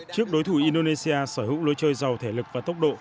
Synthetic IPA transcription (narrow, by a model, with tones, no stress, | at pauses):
t͡ɕɨ˦˥ək̚ɗo˨˦jt̪ʰu˧˩ʔi˧nɗo˧ne˧si˧aː˧səː˧˩ɦzɨ̰˧˥wlo˧jt͡ɕəː˧jza˨˩wt̪ʰe˧˩lɨ˨˩k̚vaː˨˩t̪ə˦˥wk͡p̚ɗo̰˧˨